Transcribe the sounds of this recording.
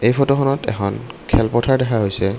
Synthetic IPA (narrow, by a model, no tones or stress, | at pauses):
ejpʰɔtɔxɔnɔtɛ̰xʰɔnkʰɛlpɔtʰaɹdɛkʰaɦojsɛ